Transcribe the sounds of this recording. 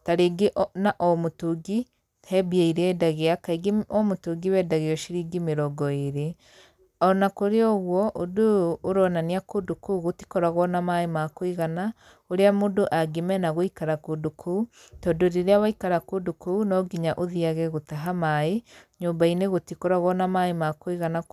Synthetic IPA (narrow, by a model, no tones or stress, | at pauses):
taɾeɡeʔnaʔɔmotuɡi | hɛbiaiɾɛɛdaɣeakaiɡeɔmotuɡiwɛdaɣeɔʃiɾiɡimeɾɔɡɔeɾe | ɔnakoɾeɔɣwɔʔodoːɾɔnaniakudukuɣoti̥kɔɾaɣwɔnamaemakwiɣana | oɾeamodoʔaɡemɛnaɣoikaɾakudukʰuutɔdoɾeɾeawaikaɾakudukuunɔɡiɲaʔoðiaɣɛɣotaɦamaeɲoːmbaineɣotikoɾaɣɔnamaemakwiɣana